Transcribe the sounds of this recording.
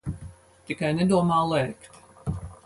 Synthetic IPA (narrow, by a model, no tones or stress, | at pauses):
t̪ikajnɛd̪uɔmaːlˠɛjkt̪